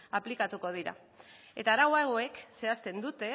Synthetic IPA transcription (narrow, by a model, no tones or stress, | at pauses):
aplikat̪uko̞ð̞iɾa̰ | e̞t̪aːɾawaɣo̞e̞kse̞ast̪e̞nd̪ut̪e̞